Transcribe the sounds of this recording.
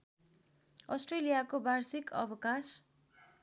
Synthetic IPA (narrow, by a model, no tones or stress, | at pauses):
ʌsʈrelijakobarsikʌ̰bʌkas